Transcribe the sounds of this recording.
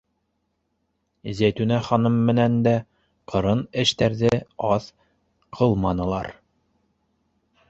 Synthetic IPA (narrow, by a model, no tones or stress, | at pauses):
zæjt̪ʉnæχɑnɤmːɘ̆nænd̪æ | qʰɤ̆ɾɤnɘ̆ʃt̪æɾðɘɑθ | qʰɤlˠmɑnɤ̆lˠɑɾ